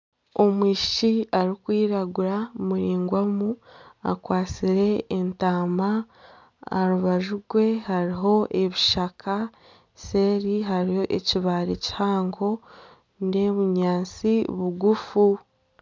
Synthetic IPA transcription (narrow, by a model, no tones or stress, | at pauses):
o̞mwiːʃʃiaɾikwiːɾaɡuɾamuɾiːŋɡwamua̰kwaːt͡siɾe̞ːntaːma̰ː | ɾuβaʒuɡwe̞haɾiɦo̞ʔe̞βiʃakʰa | se̞ɾiɦaɾiho̞ʔeciβaːɾeci̥haːŋɡo̞ | ne̞βuɲaːnt͡siβuɡufu